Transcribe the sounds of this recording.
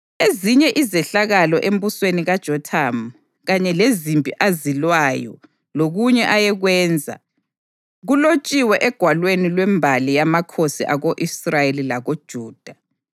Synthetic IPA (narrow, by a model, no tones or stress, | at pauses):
eziɲɛʔizɛɬaɣalɔʔem̩busweniɣad̥ʒ̥ʱɔtʰam | ɣaɲɛlezimpʼiʔazilwaːjɔ̰ | loɣuɲɛʔajɛɣwɛːnd͡zʱa̰ | ɣulot͡ʃʼiwɛʔɛɡ̥ʱwalwenilwɛmbʱalijamakʰosiʔaɣoʔisrajelilaɣod̥ʒ̥ʱuːd̥ʱa